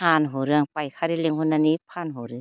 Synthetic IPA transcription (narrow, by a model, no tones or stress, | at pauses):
anɦoɾɯaŋpajkʰaɾileŋɦunːanipʰanɦoɾɯ